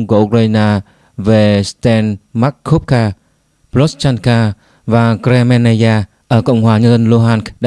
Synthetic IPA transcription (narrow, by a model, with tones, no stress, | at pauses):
ŋ͡mku˧˩ʔu˧k̚ɾaː˧naː˧ | ve˨˩st̪ɛ˧nma˦˥kʰːo˦˥p̚kaː˧ | plo˦˥st͡ɕa˧nkaː˧ | vaː˨˩kɾe˧mɛ˧na˧jaː˧ | ʔəː˧˩kə̰˧˨wŋ͡mɦwaː˨˩ɲə˧nzə˧nlo˧ɦaː˧nkɗa˧